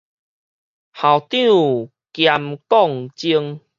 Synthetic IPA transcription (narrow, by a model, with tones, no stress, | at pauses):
ha˨˩wt̪ĩ˦˨u˨ | kja˧mkɔ˥˨ŋt͡ɕi˦əŋ